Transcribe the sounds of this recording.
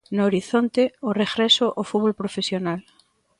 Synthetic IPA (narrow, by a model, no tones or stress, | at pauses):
nooɾiθont̪eoreɣɾesoʔofutβolpɾofesjonal